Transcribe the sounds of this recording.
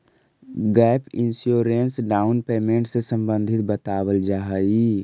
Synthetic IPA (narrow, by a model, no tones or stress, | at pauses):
ɡɛːpɪ̰̃nsjoːɾensɖaːʊnpeːmẽːɳʈsesə̃mbə̃nd̪ʱɪt̪̚bət̪aːwəld͡ʒaɦi